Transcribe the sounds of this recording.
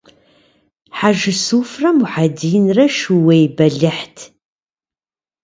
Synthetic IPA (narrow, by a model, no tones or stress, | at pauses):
ħaʒɨsuːfrɐmuħadijnrɐʃuwɐjbɐɮɪħtʰ